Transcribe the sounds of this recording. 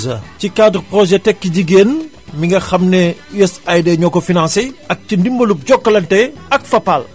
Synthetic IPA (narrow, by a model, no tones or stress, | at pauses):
zɐcikadrprɔʒɛtɛkːəɟiɡeːn | miŋɡɐxɐmnɛjɐsɐjdɛɲɔkɔfinãnseɐk̚cindimbɐlup̚ɟɔkːɐlɐntɛɐk̚fɐpːɐl